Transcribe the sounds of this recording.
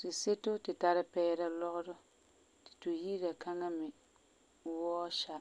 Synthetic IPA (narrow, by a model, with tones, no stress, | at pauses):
tɪ˨se˦tʊ˦tɪ˨ta˨ɾɪ˦pɛː˦ɾa˦lɔ˦ʔʊ˦dʊ˦ | tɪ̥˨tu˨ji˦ɾa˨ka˦ŋa˦mɪ˨ | wɔː˦ʃa˦